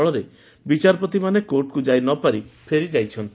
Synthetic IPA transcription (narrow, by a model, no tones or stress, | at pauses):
ɭɔɾe | bit͡ʃaɾɔpɔt̪imanekoɾʈkud͡ʒajnɔpaɾipʰeɾid͡ʒajt͡ʃʰɔnt̪i